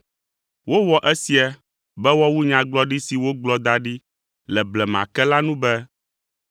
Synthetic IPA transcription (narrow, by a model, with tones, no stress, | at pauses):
wo˦wɔ˨ʔɛ˦si˨a˨ | bɛ˦wɔ˦wu˦ɲã˨ɡ͡blɔ˦ɖi˦si˨wo˦ɡ͡blɔ˦d̪a˦ɖi˦ | lɛ˨blɛ˨m˨ã̰˨kɛ˦la˦nũ˦bɛ˦